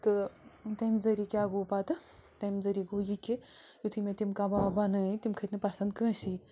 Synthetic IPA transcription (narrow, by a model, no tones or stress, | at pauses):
t̪ɨt̪ɐmzɐɾikʲaɡopat̪ɨt̪ɐmzɐɾiɡojikːijut̪ʰɨmẽt̪imkababɐnɐt̪imkʰɐt̪nɨpɐsɐnd̪̚kə̃ːsi